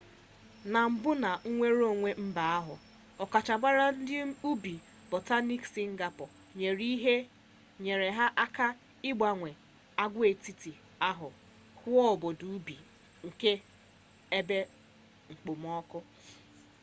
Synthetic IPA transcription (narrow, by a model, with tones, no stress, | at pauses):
na˨m̩˨bʊ˦na˨ŋ̩˦ŋʷe˦ɾo˦˨ŋʷe˦m̩˦ba˨a˦ɦʊ̰˨ | ɔ˨ka˨t͡ʃa˨ɡ͡ba˦ɾa˦n̩˦dɪ˦u˦bi˨ | bo˨ta˦ni˦ksi˦ŋ̩˦ɡa˨pɔ˨ | ɲe˨ɾi˦ɦe˦ | ɲe˨ɾe˨ɦa˦ʔa˦ka˦ | ɪ˦ɡ͡ba˨ŋʷe˨ | a˦ɡʷʊ˦e˨ti˦ti˨ | a˦ɦʊ˨ | hʊ˦ɔ˦˨bo˨du˨˦bi˨ | ŋ̩˨ke˦ | e˦be˦ | ŋ͡m̩˨k͡po˨m˦ɔ˦kʊ˦